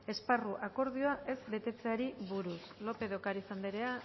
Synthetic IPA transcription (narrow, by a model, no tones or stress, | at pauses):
e̞sparuʔako̞ɾð̞ioaʔe̞zbe̞t̪e̞t͡se̞aɾiβuɾuslo̞pe̞ðo̞kaɾisand̪eɾe̞a